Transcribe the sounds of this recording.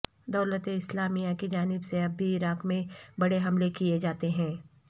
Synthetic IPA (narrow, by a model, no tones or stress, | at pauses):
d̪ɐːlət̪eɪslaːmijakid͡ʒaːnɪbseɐbːiɪɾaːkmẽbɐɽeɦɐmlekijed͡ʒaːt̪eɦɛ̃ː